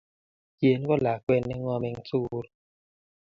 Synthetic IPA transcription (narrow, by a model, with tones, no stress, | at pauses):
kje˨n˦kɔ˦la˨kwɛ˦˨nːɛ˦ŋɔ˦mɛ˨ŋ̩˦t͡su˦ɾ